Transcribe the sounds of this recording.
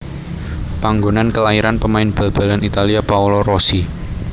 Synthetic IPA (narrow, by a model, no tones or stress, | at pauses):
paŋɡonankəlaiɾanpəmaɪnb̥a̤lb̥a̤lanit̪aliapaulɔrosi